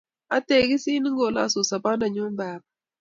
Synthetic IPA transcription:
a˦te˨ɡi˦si˦ni˦ŋɡo˨la̰˦˨so˨sa˨ba˦na˨ɲo˦m˦baː˦˨ba˨

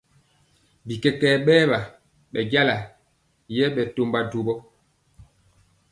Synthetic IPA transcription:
bi˨kɛ˦kɛː˦˨ɓɛː˦ɓa˨ | ɓɛ˨ɟa˦la˨ | jɛ˦ɓɛ˨to˨mba˨do˨bɔ˦

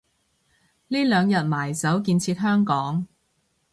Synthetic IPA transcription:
liː˥lœː˨˧ŋjɐ˨t̚maː˨˩jt͡sɐ˨˥wk̬iː˧nt͡sʰiː˧t̚ɦœː˥ŋkɔː˨˥ŋ

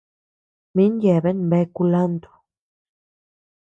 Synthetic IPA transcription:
mi˦nje˨be˦nmbe˦ku˧la˦nd̪o̥˨

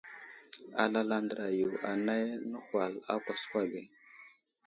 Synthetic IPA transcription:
a̰˨la˦la˦ndɾa˨ju˨a˨na˦jnə˦xwa˨la̰˦kʷa˨skʷwa˦ɡe˨

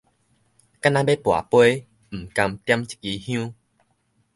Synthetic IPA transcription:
ka˦nã˧be˦pwa̰˨˩pwe˦ | m̩˨˩kã˧mt̪ja˦mt͡ɕi̥˨˦ki˧hj̃ũ˦

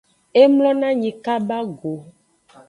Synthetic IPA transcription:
e˦mlɔ̃˦nã˦ɲĩ˨ka˦ba˦ɡo˨

